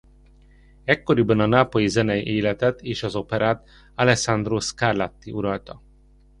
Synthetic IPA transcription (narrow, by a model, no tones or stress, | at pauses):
ɛkːo̞ɾibɛnɒnaːpojizɛnɛjʔeːlɛt̪ɛt̪eːʃɒzo̞pɛɾʔaːt̪ | alɛksand̪roskarlat̪ːiʔuɾɒlt̪ɒ